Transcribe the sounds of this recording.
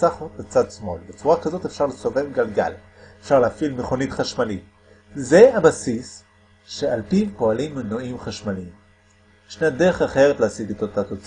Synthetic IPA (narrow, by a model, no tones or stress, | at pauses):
aχotat͡sad̪smo̞lbet͡suʁakazo̞tefʃaʁlesove̞vɡalɡa̰l | efʃaʁleafilmeχonitχaʃmalit | zeabasis | ʃe̞alpipo̞alimːenoimχaʃmalim | ʃnedeʁeχaχe̞ʁet̪leasiɡet̪ot̪at̪ot͡s